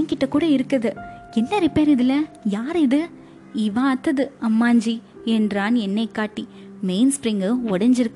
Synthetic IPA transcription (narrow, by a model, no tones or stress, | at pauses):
ŋkɪʈːɐkːuːɽɐɪɾɯkːɐðɯɛnːɐɾɪpeːɾɪðɪlɐjaːɾɪðɯ | ɪʋaːɐt̪ːɐðɯɐmːaːɲd͡ʒi | ɛndɾaːnɛnːɐɪkːaːʈːi | meɪnspɾɪŋɡɯɔɽɐɲd͡ʒɪɾɯkːɯ